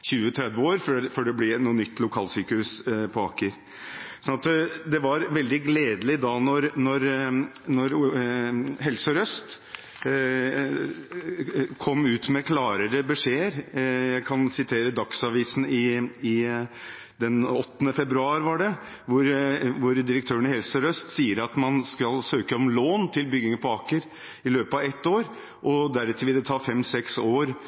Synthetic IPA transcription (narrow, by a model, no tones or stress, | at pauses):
çʉːət̪ʰɾɛd̪ʋəoːɾfføɖɛblɪnuːnʏt̪ːlʊkʰɑːlsyːkəhʉspʰɔɑːkːəɾ | sɔnɑt̪d̪ɛʋɑɾʋɛld̪ɪɡleːd̪əlɪd̪ɑnɔɾnɔɾnɔɾ | ɦɛlsɔɾœst̪ | kʰɔmːʉːt̪mɛkʰlɑːɾəɾəbəʂeːəɾjæɪkʰɑnsɪt̪ʰeːɾəd̪ɑksɑʋiːsn̩ɪɪ | d̪ɛnɔt̪ːənəfɛbɾʉɑːɾʋɑɖɛ | ʋʊɾʋʊɾd̪ɪɾək̚t̪ʰøːəɳəhɛlsəɾœst̪siːəɾɑt̪mɑnskɑlsøːkəɔmloːnt̪ʰɪlbʏɡɪŋəpʰɔɑːkəɾ | ɪløːpəɑʋɛt̪ːoːɾ | ʔɔd̪æɾɛt̪ʰɪʋɪlːət̪ʰɑːfɛmsɛksoːɾ